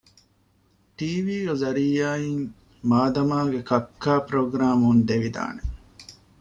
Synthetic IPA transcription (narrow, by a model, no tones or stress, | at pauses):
ʈiːʋiːɡezɐɾiːaːiŋ | maːd̪ɐmaːɡekɐkʰːaːpɾoɡɾaːmund̪eʋid̪a̰ːne